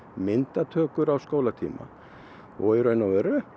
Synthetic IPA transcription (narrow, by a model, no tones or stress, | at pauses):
mɪnt̪at̪ʰœːkʏɾawskoːwlat̪ʰḭːma̰ | ɔ̰ɛɾœɥnawvœɾʏ